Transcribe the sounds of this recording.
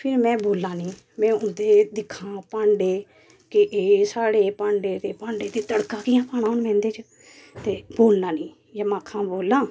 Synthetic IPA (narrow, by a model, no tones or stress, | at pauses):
pʰɪɾmɛ̃ːboːlːãːniː | mɛ̃ːʊd̪eːd̪ɪkʰãːpãːɳɖeː | kɪʔeːsaːɽeːpãːɳɖeːt̪eːpãːɳɖeːt̪eːt̪əɽkãːkɪjãːpaːnaːʊnmɛ̃ːnd̪eːt͡ʃə | t̪eːboːlnãːnĩː | jaːmãːkʰãːboːlãː